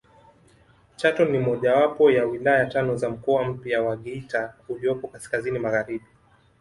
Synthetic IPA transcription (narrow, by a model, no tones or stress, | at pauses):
t͡ʃatɔnimɔʄawapɔjawilaajatanɔzam̩kɔam̩pjawaɠɛitauliɔpɔkaskazinimaɣaɾiɓi